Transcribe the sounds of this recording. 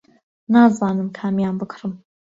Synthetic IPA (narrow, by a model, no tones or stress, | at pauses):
naːzɑːnɨmkʰaːmjaːmbɨkʰɾɨm